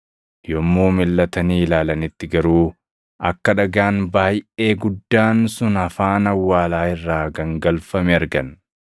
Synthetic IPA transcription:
jɔmːoːmɪlːɐt̪ɐniːlaːlɐnɪt̪ːɪɡɐɾuː | ʔɐkːɐᶑɐɡaːnbaːjʔe̞ːɡʊd̪ːaːnsʊnɐfaːnɐwːaːlaːɪrːaːɡɐŋɡɐlfɐmɛɐɾɡɐn

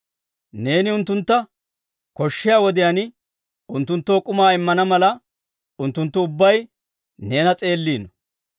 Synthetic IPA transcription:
ne̞ːnɪʊnt̪ːʊnt̪ːɐ | kɔʃːɪjaːwɔd̪ɪjɐnɪ | ʊnt̪ːʊnt̪ːo̞ːkʼʊmaːɪmːɐnɐmɐlɐ | ʊnt̪ːʊnt̪ːʊʊbːɐj | ne̞ːnɐt͡sʼe̞ːlːiːnɔ

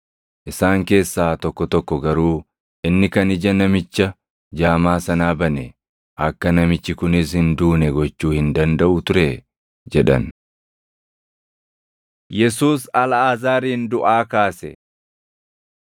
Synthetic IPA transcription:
ʔɪsaːŋke̞ːsːaːt̪ɔkːɔt̪ɔkːɔɡɐɾuː | ʔɪnːɪkɐnɪd͡ʒɐnɐmɪt͡ʃːɐ | d͡ʒaːmaːsɐnaːbɐnɛ | ʔɐkːɐnɐmɪt͡ʃːɪkʊnɪs̬hɪnd̪uːnɛɡɔt͡ʃːuːhɪnd̪ɐnd̪ɐʔʊt̪ʊɾɛ | d͡ʒɛᶑɐ̰n | jɛsuːsɐlɐaːzaːɾiːnd̪ʊʔaːkaːsɛ̰

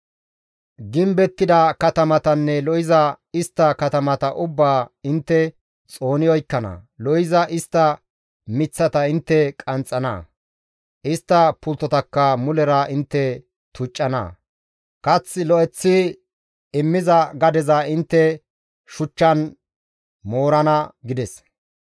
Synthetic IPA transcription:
ɡɪmbɛt̪ːɪd̪ɐkɐt̪ɐmɐt̪ɐnːɛlɔɪzɐɪst̪ːɐkɐt̪ɐmɐt̪ɐʔʊbːaːɪnt̪ːɛ | t͡sʼo̞ːnɪjɔjkːɐnɐ̰lɔɪzɐʔɪst̪ːɐ | mɪt͡sːɐt̪ɐɪnt̪ːɛkʼɐnt͡sʼːɐnɐ̰ | ʔɪst̪ːɐpʊlt̪ːɔt̪ɐkːɐmʊlɛɾɐʔɪnt̪ːɛ | t̪ʊt͡ʃʼːɐnɐ̰ | kɐt͡sːɪlɔɛt͡sːɪ | ɪmːɪzɐɡɐd̪ɛzɐɪnt̪ːɛ | ʃʊt͡ʃːɐn | mo̞ːɾɐnɐɡɪd̪ɛs

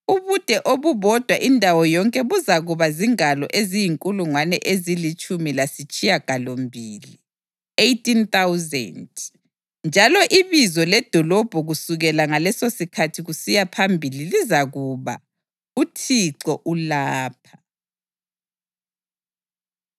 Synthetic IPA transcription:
uβud̥ʱɛʔoβuβɔd̥ʱwa̰ʔindʱawɔjɔŋkʼɛβuzaɣuβaziŋalɔ̰ʔezijiŋkʼuluŋwanɛʔezilit͡ʃʼumilasit͡ʃʼijaɡ̥ʱalombʱiːli | ejtʼint̪awzɛ̰nd | nd͡ʒʱalɔʔiβizɔlɛd̥ʱɔlɔb̥ʱɔɣusuɣɛlaŋalɛsosikʰatʰiɣusijapʰambʱililizaɣuβa̰ | utʰiǀɔʔulaːpʰḁ

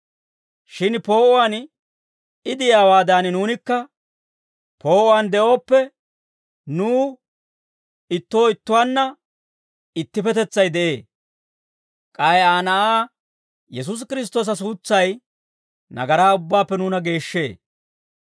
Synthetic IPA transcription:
ʃɪnpo̞ːʔɔwan | ɪd̪ɪjaːwaːd̪aːnɪnuːnɪkːɐ | po̞ːʔɔwand̪ɛʔo̞ːpːɛ | nuː | ɪt̪ːo̞ːɪt̪ːʊwaːnːɐ | ɪt̪ːɪpɛt̪ɛt͡sːɐjd̪ɛʔe̞ː | kʼɐjaːnɐʔaː | jɛs̬ʊs̬kɪɾɪs̬t̪o̞ːs̬ɐs̬uːt͡sːɐj | nɐ̰ɡɐɾaːʊbːaːpːɛnuːnɐɡe̞ːʃːe̞̰ː

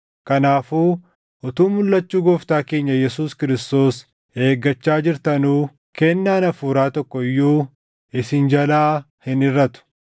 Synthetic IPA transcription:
kɐnaːfuː | ɔt̪uːmʊlːɐt͡ʃːuːɡɔːft̪aːke̞ːɲːɐjɛsuːskɪɾɪst̪o̞ːs | e̞ːɡːɐt͡ʃːaːd͡ʒɪɾt̪ɐnuː | kɛnːaːnɐfuːɾaːt̪ɔkːɔɪjːuː | ɪsɪnd͡ʒɐlaː | hɪnɪrːɐt̪ʊ̥

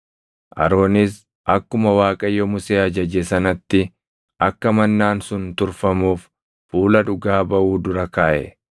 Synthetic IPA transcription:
ʔɐ̰ɾo̞ːnɪs | ʔɐkːʊmɐwaːkʼɐjːɔmʊseːɐd͡ʒɐd͡ʒɛsɐnɐt̪ːɪ | ʔɐkːɐmɐnːaːnsʊnt̪ʊɾfɐmuːf | fuːlɐᶑʊɡaːbɐʔuːd̪ʊɾɐkaːʔɛ̰

